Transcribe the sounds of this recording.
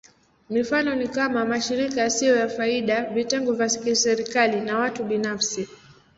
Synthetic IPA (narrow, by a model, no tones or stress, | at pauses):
mifanɔnikamamaʃiɾikasijɔjafaiɗavitɛŋɡɔvjassɛɾikalinawatuɓinafsi